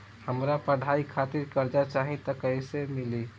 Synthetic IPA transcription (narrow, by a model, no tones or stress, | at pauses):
həmɾapəɽ̤ʱaikʰat̪iɾkəɾd͡ʒat͡ʃaɦĩt̪əkəɪsemili